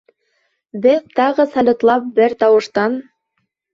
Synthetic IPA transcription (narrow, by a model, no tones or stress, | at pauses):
βɘðt̪ɑʁɤsɑlʲŏt̪lˠɑp̚bɘɾt̪ɑwɤ̆ʃt̪ɑn